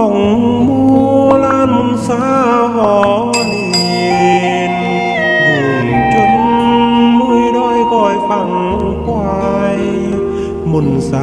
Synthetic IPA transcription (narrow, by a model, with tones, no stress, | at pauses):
ɔ˧˩ŋ˧muː˧˩laː˧˥nmu˧˩nsaː˧˥ | ɦɔː˨˧˦ | ni˧˩ | e˧ | n | dɯː˨˩ŋt͡ɕo˧˥n | mu˧˩əjdɔː˧˩jkɔː˧˩jfa˧˩ŋ | kwaː˧ | j | mo˧˩nsa˧